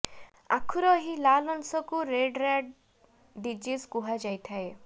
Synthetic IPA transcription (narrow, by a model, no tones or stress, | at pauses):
a̰kʰuɾɔɦilalɔnsɔkuɾeɖɾaɖː | id͡ʒiskuɦad͡ʒajt̪ʰae